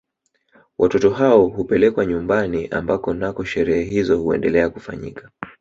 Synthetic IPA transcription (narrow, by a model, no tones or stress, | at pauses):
wʔatɔtɔɦaɔhupɛlɛkwaɲumbaniʔa̰mbakɔnakɔʃɛɾɛhɛɦizɔhuɛ̰ndɛlɛakufa̰ɲḭka